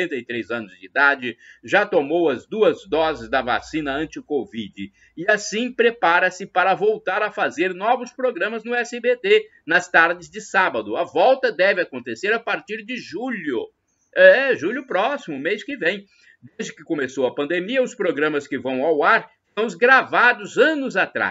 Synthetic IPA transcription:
ẽnt̪ɐjt̪ɾejzɐ̃nʊzd͡ʒɪid̪ad͡ʒɪʒat̪omowɐzd̪uɐzd̪ɔzɪzd̪ɐva̰sĩnɐɐ̃t͡ʃɪkovid͡ʒɪ | ɪasĩpɾepaɾɐsɪpaɾɐvowt̪aɾɐfazeɾnɔvʊspɾoɡɾɐ̃mɐznʊɛsɪbet̪e | nɐst̪aɾd͡ʒɪzd͡ʒɪsabɐd̪ʊɐvɔwt̪ɐd̪ɛvɪakõnt̪eseɾapaɾt͡ʃiɾd͡ʒɪʒuʎʊ̰ | ɛʒuʎʊpɾɔsimʊmeskɪvẽj̃ | d̪ezd͡ʒɪkɪkõmesowɐpɐ̃nd̪emiɐʊspɾoɡɾɐ̃mɐskɪvɐ̃w̃awaɾ | st̪ɐ̃w̃ʊzɡɾavad̪ʊzɐ̃nʊzat̪ɾa̰s

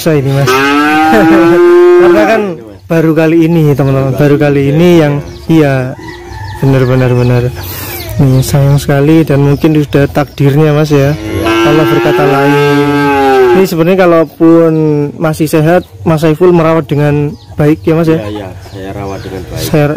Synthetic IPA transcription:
sainimas | t̪ərɲakan | b̥a̤ɾukaliːnit̪əmənt̪əmənb̥a̤ɾukaliːnijaŋ | ija | b̥ənərbənərbənərnisajaŋsə̥kalidanmuŋkɪnsud̥aht̪ak̚d̥i̤rɲamas̬jakalobərkat̪alai | nisəbət̪ɲakalopʊnmasɪhseɦat̪̚mas̬aifʊlməɾawat̪̚d̥əŋanb̥a̤ɪk̚jamas̬ja | sar

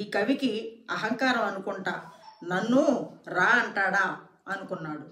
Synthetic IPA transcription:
iːkɐʋikiɐɦɐŋkaːɾɐmɐnukuɳʈaːnɐnːuɾaːɐɳʈaːɽaː | ɐnukunːaːɽu

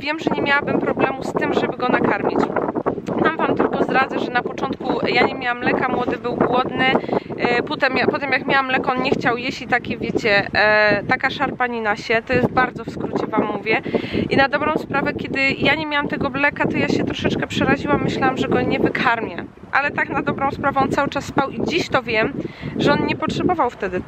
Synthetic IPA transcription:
vʲjɛmʐɛɲɛmʲjawabɘmpɾɔblɛmust̪ɘmʐɛbɘɡɔnakaɾmʲit͡ɕ | namvamt̪ɘlkɔzɾad̪zɛʐɛnapɔt͡ʂɔnt̪kujaɲɛmʲjawamlɛkamwɔd̪ɘbɘwɡwɔd̪nɘ | pɔt̪ɛmjapɔt̪ɛmjakmʲjawamlɛkɔnɲɛxt͡ɕawjeɕlʲit̪akʲɛvʲjet͡ɕɛt̪akaʂaɾpaɲinaɕɛt̪ɔjɛst̪̚baɾd̪zɔfskɾut͡ɕɛvamːuvʲjɛʔinad̪ɔbɾɔ̃w̃spɾavɛkʲjɛd̪ɘjaɲemʲjawamt̪ɛɡɔblɛkat̪ɔjaɕɛt̪ɾɔʂɛt͡ʂkɛpʂɛɾaʑiwamːɘɕlawamʐɛɡɔɲɛvɘkʰaɾmʲjɛ̰ | ʔalɛt̪aknad̪ɔbɾɔ̃w̃spɾavɛɔnt̪sawɘt͡ʂasːpawid͡ʑiɕt̪ɔvʲjɛmʐɛɔnɲɛpɔtʂɛbɔvawft̪ɛd̪ɘ

